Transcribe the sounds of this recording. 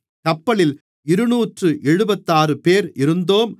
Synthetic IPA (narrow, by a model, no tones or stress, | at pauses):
kɐpːɐɭɪl | ɪɾɯnuːʈrɯʔɛɻɯbɐt̪ːaːrɯpeːɾɪɾɯnd̪oːm